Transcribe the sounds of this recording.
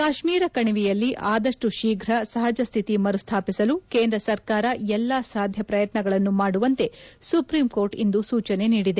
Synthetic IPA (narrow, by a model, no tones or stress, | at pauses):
kaːʃmiːɾɐkɐɳiʋijɐlːiʔaːd̪ɐʂʈuʃiːɡʱɾɐsɐɦɐd͡ʒɐst̪ʰit̪imɐɾust̪ʰaːpisɐlukeːnd̪ɾɐsɐɾkaːɾɐɛlːasaːd̪ʱjɐpɾɐjɐt̪nɐɡɐɭɐnːumaːɽuʋɐnt̪e̞supɾiːmko̞ːɾʈind̪usuːt͡ʃɐne̞niːɽid̪e